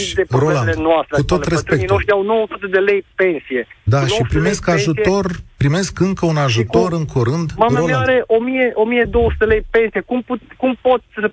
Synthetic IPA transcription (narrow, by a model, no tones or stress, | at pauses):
d̪epɾolaenoast̪ɾekut̪o̞t̪resp̪t̪ekinoʃt̪iawno̞wəsut̪ed̪e̞le̞jpe̞nsije̞d̪aʃipɾime̞skaʒut̪o̞rpɾime̞skɨŋkəunaʒut̪o̞ɾɨŋkʰoɾɨnd̪mamolaaɾe̞ʔo̞mije̞ʔo̞mijed̪owəsu̥t̪eelejpe̞nsije̞kumputʲkumpo̞t̪sʲə